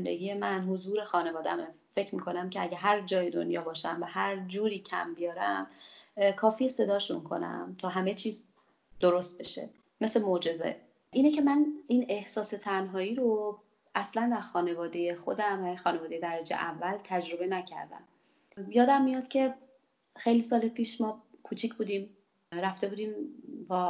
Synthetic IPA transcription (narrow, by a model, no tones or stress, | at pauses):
nd̪ḛɡiːjemænɦozuːɾe̞xɒːne̞vɒːd̪æ̰m | fe̞cʰɾmiːkʰo̞næmcʰeæɟæɦæɾd͡ʒɒːjed̪o̰njɒːbɒːʃæmvæhæɾd͡ʒuːɾiːcʰæ̰mbijɒːɾæmkʰɒːfiːese̞d̪ɒːʃṵnkʰo̞̰næ̰mt̪ʰɒːɦæme̞t͡ʃʰiːz | d̪̥oɾo̞st̪̚be̞̰ʃe̞̰ | me̞slemod͡ʒe̞ze̞̰ | ʔiːnecʰe̞mæniːne̞hsɒːse̞t̪ʰænɦɒːiːɾo | ʔæslænd̪æɾxɒːne̞vɒːd̪e̞jexo̞d̪æmæxɒːnevɒd̪e̞jed̪æɾæd͡ʒe̞̰ʔævːælt̪ʰæd͡ʒɾo̞be̞næcʰæ̰ɾd̪æ̰m | jɒːd̪æmːijɒd̪̥cʲʰe̞ | xe̞jlisɒːlepʰiːʃmɒːkʰuːt͡ʃʰicʰbuːd̪im | ɾæft̪e̞buːd̪iːmbɒː